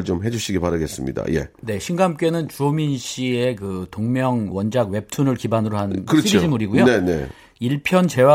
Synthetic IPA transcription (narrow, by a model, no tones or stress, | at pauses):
ɯɭt͡ɕomɦe̞d͡ʑuɕʰiɡipaɾɯɡe̞s͈ɯmɲḭda̰je̞̰ne̞ɕʰinɡamk͈e̞nɯnt͡ɕuominɕ͈iekɯtoŋmjʌŋwʌnd͡ʑaɡwe̞p̚tʰunɯɭkibanɯɾoɦankɯɾʌiod͡ʑimuɾiɡujonene | iɭpʰjʌnt͡ɕe̞wa